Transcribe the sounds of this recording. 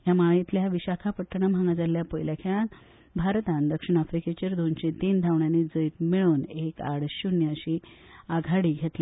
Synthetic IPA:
jamait̪ljaʋiɕakʰapəʈːəɳ̃am̤aŋɡad͡zaljapəjljakʰan | bʱaɾt̪ãnd̪əkʂiɳ̃afɾiket͡ɕeɾd̪onɕet̪iːnd̪ʱaʋɳjanid͡zəjt̪miɭuːneka̰ɽɕunjəəɕi | aɡʱaɽiːɡʱet̪le

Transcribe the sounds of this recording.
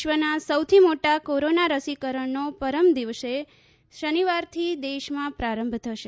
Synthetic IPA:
ʃʋənasəwt̪ʰimoʈakoɾonaɾəsikəɾəɳnopəɾəmd̪iʋse | ʃəniʋaɾt̪ʰid̪eʃmãpɾaɾə̃mbʱt̪ʰəʃe

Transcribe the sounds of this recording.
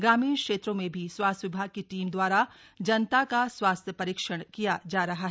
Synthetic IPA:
ɡɾaːmiːnkʃeːt̪ɾõmẽbʱiswaːst̪ʋɪbʱaːɡ̚keʈiːmd̪waːɾad͡ʒɐnt̪akaswaːst̪ʰjəpɐɾiːkʃəɽ̃kijad͡ʒaːɾɐɦaɦɛ

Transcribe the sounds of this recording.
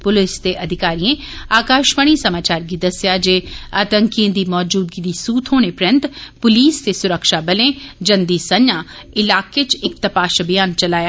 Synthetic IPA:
pʊlɪst̪eʔɐd̪ʱɪkaːɾijẽ | aːkaːʃməɽ̃isɐmaːt͡ʃaːɾɡid̪ɐsjad͡ʒeaːt̪ə̃ŋkẽd̪imɔːd͡ʒuːd̪kid̪isuːt̪ʰɦoːnepɾjə̃nt̪pʊliːst̪esʊɾəkʃabɐlẽd͡ʒɐ̃nd̪isɐ̃nːaɪlaːket͡ʃɪk̚t̪ɐpaːʃɐbʱijaːnt͡ʃɐlaːja

